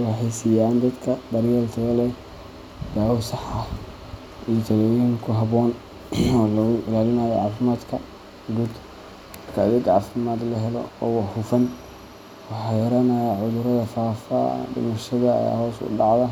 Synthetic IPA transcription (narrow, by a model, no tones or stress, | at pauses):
wɑħɑjsijaːnd̪ɐd̪kʰɐbɐrjɛlt̪ʰɐɣɐlɛ | daːwʊsɑħɐ | ijɔt̪ʰɐlɔːjiŋkʰʊɦɐβɔːn | ɔːlɐʊʔɪlaːlɪnaːjɛʕɑːfɪmaːd̪kʰɐ | ɡud̪ | rkʰɐɐðɪɡʕɑːfɪmaːd̪lɐɦɛlɔ̰ɔ̰ːwɑhʊfɐn | wɑħɑjɐɾɐnaːjɐʕʊðʊɾɐðɐfaːfa̰ːɖɪ̰mɐʃɐðɐɐ̰ja̰ːhɔːsʊ̰ɖɑʕðɐ